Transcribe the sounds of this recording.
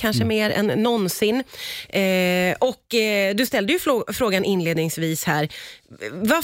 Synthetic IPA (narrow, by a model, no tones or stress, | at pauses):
kʰanʂəmeːɾɛ̰nːɔnsɪnː | ɔkːd̪ɵst̪ɛld̪əjɵfɾoːɡanʔɪnleːd̪nɪŋsviːshæːɾ | va